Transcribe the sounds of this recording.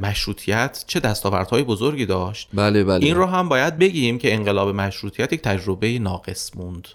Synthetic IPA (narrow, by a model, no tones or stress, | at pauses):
mæʃɾuːt̪ʰijæt̪ʰt͡ʃʰe̞d̪æst̪ɒːvæ̰ɾd̪̥hɒːjebozoɾɡiːd̪ɒːʃt̪bælebæliːnrɒːɦæmbɒːjæd̪̚be̞ɟiːɾiːmcʰe̞eŋɢe̞lɒːbe̞mæʃɾuːt̪ʰijæt̪jec̚ʰʲt̪ʰæd͡ʒɾo̞bejinɒːɢe̞smund̪̥